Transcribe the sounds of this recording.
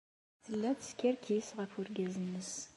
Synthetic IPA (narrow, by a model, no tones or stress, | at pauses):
θəlːæt͡sskʲæɾkʰisʁəfʊɾɡʲæzənːəs